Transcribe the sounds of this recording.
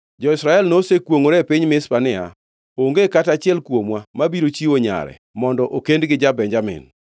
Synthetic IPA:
d͡ʒɔɪsɾaɛlnosekwoŋoɾɛpɪɲmɪspanɪa̰ | oŋɡekatat͡ʃɪɛlkwomwamabiɾot͡ʃioɲa̰ɾɛ̰ | mɔndɔʔokendɡɪd͡ʒabɛɲd͡ʒamɪ̰n

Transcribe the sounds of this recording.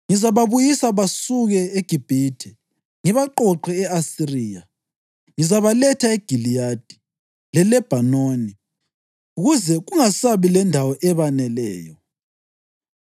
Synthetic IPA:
ŋizaβaβujisaβasuɣɛeɡ̥ʱib̥ʱiːd̥ʱɛ | ŋiβaǃɔǃɛɛasiriːja | ŋizaβalɛtʰaeɡ̥ʱilijad̥ʱi̥ | lɛlɛb̥ʱanoːni | uɣuzɛɣuŋasaβilɛndʱawɔʔɛβanɛlɛ̰ːjɔ

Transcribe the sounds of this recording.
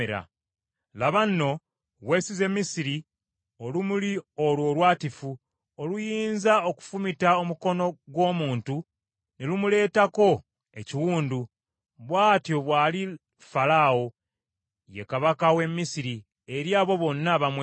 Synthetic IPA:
eɾa̰ | laβanːo̞ | wesize̞mːisiɾi | olumulio̞lwo̞ːlwaːtifu | olujiːnzaoku̥fumitaomuko̞no̞ɡwo̞ːmuːntu | ne̞lumule̞ːtako̞ | e̞ciwuːndu | βwaːtjo̞βwaːli | falawo̞ | je̞kaβakawe̞mːisiɾi | eɾjaːβo̞βo̞nːaβamwe

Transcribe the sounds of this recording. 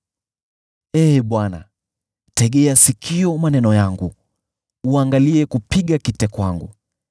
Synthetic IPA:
ɛːɓwana̰ | tɛɠɛasikʰiɔmanɛnɔjaŋɡu | uaŋɡaliɛkupiɠakitɛkwaŋɡṵ

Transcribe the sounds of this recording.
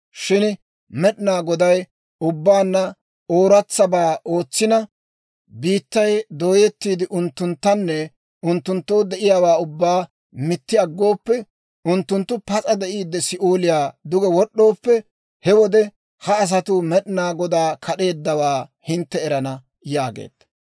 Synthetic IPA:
ʃɪn | mɛɗɪnaːɡɔd̪ɐj | ʊbːaːnːɐ | oːɾɐt͡sːɐbaːo̞ːt͡sːɪnɐ | biːt̪ːɐjd̪o̞ːjɛt̪ːiːd̪ɪʔʊnt̪ːʊnt̪ːɐnːɛ | ʊnt̪ːʊnt̪ːo̞ːd̪ɛʔɪjaːwaːʊbːaː | mɪt̪ːɪɐɡːo̞ːpːɛ | ʊnt̪ːʊnt̪ːʊpɐt͡sʼɐd̪ɛʔiːd̪ːɛsɪʔoːlɪjaːd̪ʊɡɛwɔɗːo̞ːpːɛ | hɛwɔd̪ɛ | hɐːs̬ɐt̪ʊmɛɗɪnaːɡɔd̪aːkʰɐɗe̞ːd̪ːɐwaːhɪnt̪ːɛːɾɐnɐ | jaːɡḛːd̪̥ɐ

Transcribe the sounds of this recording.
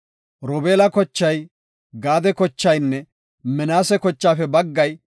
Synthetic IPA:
ɾɔbeːlɐkɔt͡ʃːɐj | ɡaːd̪ɛkɔt͡ʃːɐjnːɛ | mɛnaːsɛkɔt͡ʃːaːfɛbɐɡːɐj

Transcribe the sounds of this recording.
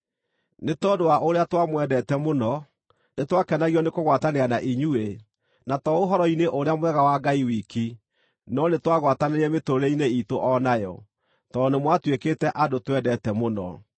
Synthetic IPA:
netɔdoaʔoɾeatwamwɛdɛtɛmonɔ | netwakɛnaɣiɔnekoɣwataneanaʔiɲue | natɔoɦɔɾɔineʔoɾeamwɛɣawaɡaiwiki | nɔnetwaɣwataneɾɛmetoɾeineitoʔɔnajɔ̰ | tɔnemwatwekeːtɛʔadotwɛdɛtɛmonɔ̰

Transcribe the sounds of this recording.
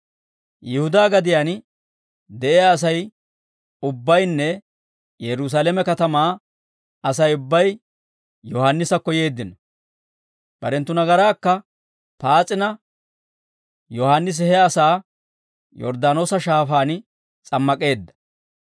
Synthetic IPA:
jɪhʊd̪aːɡɐd̪ɪjaːn | d̪ɛʔejaːs̬ɐj | ʊbːɐjnːɛ | jɛɾʊs̬aːlɛmɛkɐt̪ɐmaː | ɐsɐjʊbːɐj | jɔhaːnːɪsɐkːɔje̞ːd̪ːɪnɔ | b̥ɐɾɛnt̪ːʊnɐɡɐɾaːkːɐ | paːt͡sʼɪnɐ | jɔhaːnːɪs̬ɪhɛɐsaː | jɔ̰ɾd̪aːno̞ːsɐʃaːfaːn | t͡sʼɐmːɐkʼe̞ːd̪ːɐ̥

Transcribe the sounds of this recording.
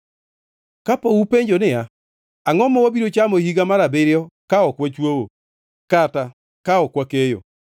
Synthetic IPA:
kapoupeɲd͡ʒonɪa | aŋɔmɔɔbiɾot͡ʃamohiɡamaɾabeɾɪɔkaɔkwat͡ʃwowo | kata | kaɔkwakejo̰

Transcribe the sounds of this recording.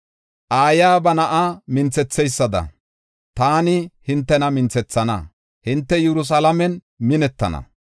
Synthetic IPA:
ʔaːjaːbɐnɐʔamɪnt͡sɛt͡sːɛjsːɐd̪ɐ̰ | t̪aːnɪhɪnt̪ːɛnɐmɪnt͡sɛt͡sːɐnɐ̰ | hɪnt̪ːɛjɛɾʊs̬alɐmɛn | mɪnɛt̪ːɐ̰nɐ̰

